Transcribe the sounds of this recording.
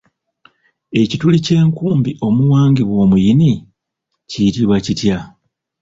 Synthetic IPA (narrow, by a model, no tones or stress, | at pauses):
e̞citulice̞ːŋkuːmbiʔo̞muwaːŋɡiβwo̞ːmujini | ciitiβwacitja